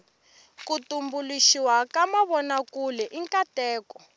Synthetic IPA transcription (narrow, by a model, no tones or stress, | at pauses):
kutumbuliʃiwakamaβɔnakulɛʔiŋkatɛːkɔ